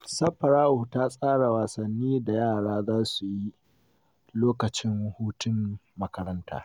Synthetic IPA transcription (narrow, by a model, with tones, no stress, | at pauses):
sɐ˦ɸɐ˨ɾaː˦ʔuː˨taː˦sʼaː˦ɽa˨waː˨sɐ˨nːiː˦da˨jaː˦˨ɽaː˦zaː˦su˨ji˦ | loː˦kɐ˨t͡ʃɪ˦ŋwhuː˦tɪ˦mmɐ˦kɐ˦ɾɐ˦nta̰ː˦